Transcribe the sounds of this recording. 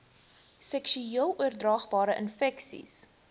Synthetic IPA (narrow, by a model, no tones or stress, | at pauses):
sɛkʃyiəlˠuərdrɑːχbɑːɾəʔənfɛksḭs